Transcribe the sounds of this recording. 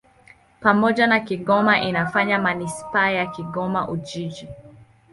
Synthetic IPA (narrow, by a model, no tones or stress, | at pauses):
pamɔʄanakiɡɔmaʔinafaɲamanispaːjakiɡɔmaʔud͡ʒid͡ʒi